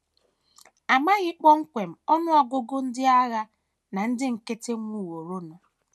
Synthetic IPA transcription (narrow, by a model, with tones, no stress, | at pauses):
a˨ma˦ɣɪ˦k͡pɔ˦ŋ̩˦kʷe˨m̩˨ɔ˦nʊ˦ɔ˨ɡʊ˦ɡʊ˦n̩˦dɪ˦a˦ɣa˦ | na˨n̩˦dɪ˦ŋ̩˨ke˦te˦ŋʷ˦u˦˨wo˨ɾo˦nɔ˨